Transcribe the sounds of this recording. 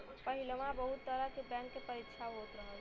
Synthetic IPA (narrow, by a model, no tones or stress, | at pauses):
pəɦilʋãbəɦut̪ːəɾakebɾɛ̃ŋkkepəɾɪkʃʰaɦoːt̪ɾəɦə